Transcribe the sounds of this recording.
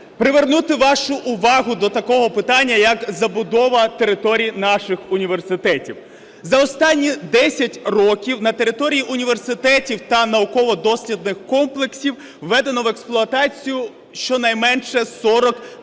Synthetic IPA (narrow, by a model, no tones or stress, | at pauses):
pɾɪʋernut̪ɪʋɑʃʊʔʊʋɑɦʊd̪ɔt̪ɐkɔɦɔpɪt̪ɑnʲːɐjɐkzɐbʊd̪ɔʋɐt̪e̞ɾɪt̪ɔɾʲijinɑʃɪxʊnʲiʋersɪt̪ɛtʲiw | zɐɔst̪ɑnʲːid̪ɛsʲɐtʲrɔkʲiwnɐt̪e̞ɾɪt̪ɔɾʲijiʔʊnʲiʋe̞rsɪt̪ɛtʲiwt̪ɐnɐʊkɔʋɔd̪ɔsʲlʲid̪nɪxkɔmplˠeksʲiwː | ɛd̪e̞nɔʋeksplˠʊɐt̪ɑt͡sʲijʊ | ʃt͡ʃɔnɐjmɛnʃɛsɔɾɔk